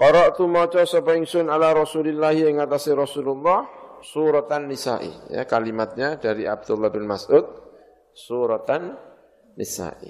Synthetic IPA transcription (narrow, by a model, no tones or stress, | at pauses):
kɔɾɔʔt̪umɔt͡ʃɔsɔpɔɪŋsʊnalaɾɔsulilːahiɪŋat̪asiɾɔsululːɑhsuɾɔt̪anːisa̰ʔḭja̰kalimat̪̚ɲadaɾiʔab̚d̪ulːabɪnmasʔud̪̚ | suɾɔt̪anː | ḭsa̰ʔḭ